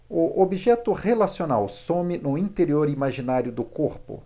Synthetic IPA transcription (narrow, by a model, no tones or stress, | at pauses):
ʊʔobiʒɛt̪ʊhelasiona̰wsõmɪnʊĩnt̪eɾioɾimaʒinaɾjʊd̪ʊkoɾpʊ̰